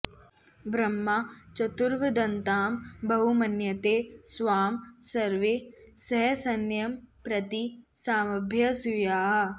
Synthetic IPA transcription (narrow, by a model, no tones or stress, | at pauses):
bɾɐmːat͡ʃɐt̪uɾʋɐd̪ɐnt̪aːmbɐɦumɐnjɐt̪eːsʋaːmsɐɾʋesɐɦsɐnjɐmpɾɐt̪isaːmɐbʱjɐsujaːɦɐ